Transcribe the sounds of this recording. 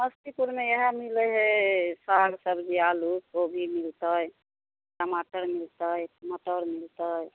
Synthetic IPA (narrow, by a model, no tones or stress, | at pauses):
məst̪ipuɾmejəɦə̃miləɦesaɾsəbd͡ʒialukobʱimilt̪əj | ʈəmaʈəɾmilt̪əjmət̪əɾmilt̪əj